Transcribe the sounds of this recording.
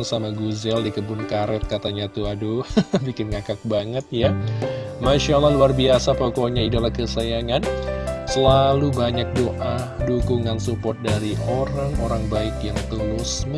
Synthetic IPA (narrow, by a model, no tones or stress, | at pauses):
ŋsamaɡuzɛldikəbʊnkaɾɛt̪̚kat̪aɲat̪uadubikɪnŋakak̚baŋət̪̚ja | maʃalahluarbiasapokoɲaidalahkəsajaŋansəlalubaɲak̚doʔa | dukuŋansupɔt̪̚daɾiʔoɾaŋoɾaŋbaɪkjaŋt̪əlʊsm